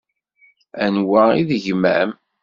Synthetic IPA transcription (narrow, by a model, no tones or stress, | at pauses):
ænwæiðʝmæ̰m